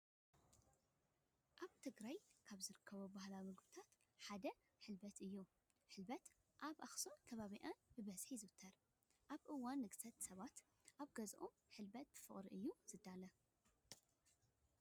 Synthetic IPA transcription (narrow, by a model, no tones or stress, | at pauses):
ʔaβt̪ʰɨɡɾajkʰaβzɨɾɨkʰːɐβobahlawimɨɡbɨt̪ʰat̪ | ħad̪ɐ | ħɨlbɐt̪ɨjːu | ħɨlbɐt̪ | ʔaβʔaxsonk̪ʰɐβaβiʔanbɨβɐz̥ħizɨwɨt̪ʰːɐɾ | ʔaβʔɨwːanːɨɡsɐt̪sɐβat̪ | ʔaβɡɐzʔo̰mħɨlbɐt̪̚b̥ɨfɨχʼɾiʔɨjːuz̥ɨd̪ːalɐ